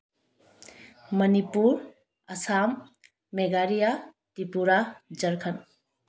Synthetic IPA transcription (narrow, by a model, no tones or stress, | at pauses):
mɐnipuɾ | ɐsamː | eɡaɾija | tipuɾad͡ʒɐɾkʰɐn